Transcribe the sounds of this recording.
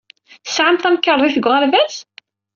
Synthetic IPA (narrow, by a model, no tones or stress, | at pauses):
θə̥sʕamθæmkːəɾˤðˤiθəɡʷʁalvæs